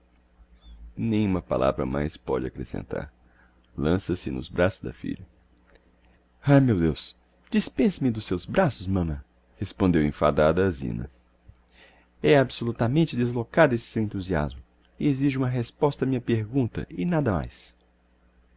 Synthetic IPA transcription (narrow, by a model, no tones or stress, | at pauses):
nẽj̃ũmɐpa̰lʔa̰vɾɐ̰ma̰jspɔ̰d͡ʒɪakɾesḛ̃nt̪a̰ɾ | lɐ̃sɐsɪnʊ̰zbɾasʊzd̪ɐ̰fḭʎɐ | ajmewd̪ews | d͡ʒispẽsɐmɪd̪ʊsːewzbɾasʊzmɐ̃mɐ̃ | hespõnd̪ewḛ̃fad̪ad̪ɐːzḭ̃nɐ̰ | ɛabsolut̪ɐmẽnt͡ʃɪd̪ezlokad̪ʊesɪ̥sewẽnt̪uzia̰zmʊ | eziʒɪũmɐɦespɔst̪ɐmĩɲɐpeɾɡũnt̪ɐ̰ʔɪnad̪ɐma̰js